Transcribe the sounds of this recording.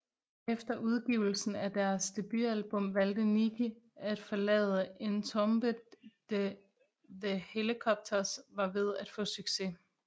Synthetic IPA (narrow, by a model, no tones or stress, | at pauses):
efd̥ɐʔuð̞ˠɡ̥iːʊl̩sn̩æd̥æɐsd̥eb̥yælb̥ɔ̽m̰ʋæl̰d̥əniɡʰəæd̥fɒlɛ̰ːð̞̩ˠəʔe̝nt͡sʰɔ̽mb̥əd̥e | ðehelikʰɒ̽b̥̚t͡sʰɐsʋɑ̈ʋe̝ð̞ˠæd̥fɔ̰̽ːsyɡ̥se̝